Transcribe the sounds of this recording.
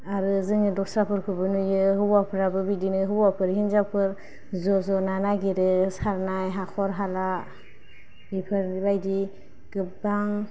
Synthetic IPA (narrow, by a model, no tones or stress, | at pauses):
aɾɯzɯŋɯdɔsapʰɯɾkʰɯbɯnujɯɦɯbapʰɯɾabɯbidinɯɦɯwapʰɯɾɦinzapʰɯɾ | zɔzɔnanaɡiɾɯsaɾnajɦakʰɔɾɦala | ipʰɯɾibajdi | ɡ̥ɯpbaŋ